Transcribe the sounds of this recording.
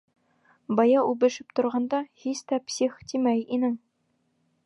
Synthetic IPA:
bɑjɑʉbɘ̆ʃɘpt̪ŏɾʁɑnd̪ɑhist̪æpsʲiχt̪imæjinɘŋ

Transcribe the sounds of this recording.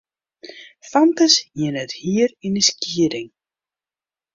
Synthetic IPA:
fant̪asjɛnɛɾhiːɾɪnisciːɾɪŋ

